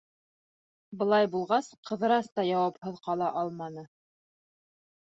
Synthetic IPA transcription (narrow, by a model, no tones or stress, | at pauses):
bɤ̆lˠɑjbulˠʁɑsqʰɤ̆ðɤ̆ɾɑst̪ɑjɑwɑphɤ̆ðqɑlˠɑʔɑlˠmɑnɤ